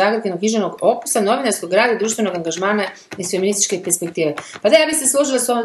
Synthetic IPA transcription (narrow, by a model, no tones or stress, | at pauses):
aɡɾd̪ɡenokɲiʒenoɡo̞pu̥sano̞ʋinaɾskoɡɡɾaːd̪ad̪ɾuːʃt̪ʋe̞no̞ɡaŋɡaʒmaːna | isfeminist̪it͡ʃkepeɾspek̚t̪iːʋepad̪ajaːbiseslˠuʒilasom